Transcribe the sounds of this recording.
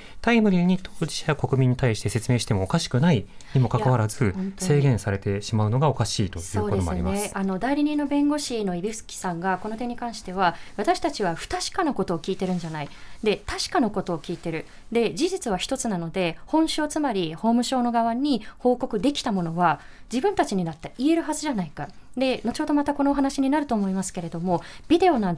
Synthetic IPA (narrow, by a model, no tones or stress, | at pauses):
t̪aimɯ̟ɾʲiɲ̟it̪ʰoːd͡ʑi̥ɕaako̞kɯ̟mʲĩɲ̟ːit̪aiɕi̥t̪e̞se̞t͡sɨme̞ːɕi̥t̪emo̞ːkaɕi̥kɯ̟nai | ɲ̟imo̞kakaβaɾazɨsse̞ːɡẽ̞ɰ̃saɾe̞t̪e̞ɕimaɯ̟no̞ɡao̞kaɕiːt̪o̞sjɯːoːdoeoo̰a̰imesano̞d̪aiɾʲiɲ̟ĩnːo̞bẽ̞ŋɡo̞ɕino̞ibʲiɯ̥sɨ̥kʲi̥sãŋɡako̞no̞t̪e̞ɲ̟ːikãɰ̃ɕi̥t̪e̞β̞aβat̪aɕi̥t̪at͡ɕiβ̞aɸɯ̟̥t̪aɕi̥kanoko̞t̪o̞ːkʲiːt̪e̞ɾɯ̟̃ɲ̟d͡ʑanaid̪e̞t̪aɕi̥kanoko̞t̪o̞ːkʲiːt̪e̞ɾɯ̟ | d̪e̞d͡ʑiʑit͡sɨβ̞açʲi̥t̪o̞t͡sɨnano̞d̪e̞hõ̞ɕo̞ːt͡sɨmaɾʲiho̞ːmɯ̟ɕo̞ːno̞ɡaβaɲ̟iho̞ːko̞kɯ̟d̪e̞kʲi̥t̪amo̞no̞βa | d͡ʑibɯ̟̃nt̪at͡ɕiɲ̟inat̪ːaie̞ɾɯ̟ɦazɨʑanaikad̪e̞not͡ɕo̞ːd̪o̞mat̪ako̞no̞ːɦanaɕiɲ̟inaɾɯ̟t̪o̞ːmo̞imasɨ̥ke̞ɾe̞d̪o̞mo̞bʲid̪e̞o̞nãn